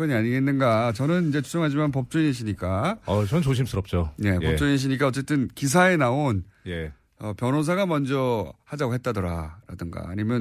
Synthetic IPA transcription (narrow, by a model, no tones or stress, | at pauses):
kʌɲiaɲiɡe̞nːɯnɡat͡ɕʌnɯnind͡ʑe̞t͡ɕʰud͡ʑoŋɦad͡ʑimanpʌp̚t͡ɕ͈uinɯɕʰiɲik͈aʌt͡ɕʌnɯnt͡ɕoɕʰims͈ʰɯɾʌp̚t͡ɕ͈one̞pʌp̚t͡ɕuinɕ̬ʰiɲik͈aʌt͡ɕ͈e̞t͈ɯnkis̬ʰae̞naonje | ʌpjʌnosʰaɡamʌnd͡ʑʌhad͡ʑaɡoɦe̞t̚t͈adoɾa̰ɾa̰dɯŋɡa̰ːɲimjʌn